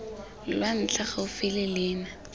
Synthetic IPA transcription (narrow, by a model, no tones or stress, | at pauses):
lwan̩t͡ɬʰaχaʊfɪlɪlɪːna